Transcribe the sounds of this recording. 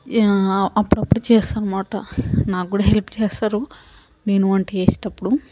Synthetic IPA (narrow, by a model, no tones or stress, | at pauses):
ɐpːuɽɐpːuɽut͡ʃɛːsaːnumaːʈɐ̰naːkɡuːɽɐɦelpt͡ʃɛːsaːɾu | neːnuʋɐɳʈieːsi̥ʈɐpːuɽu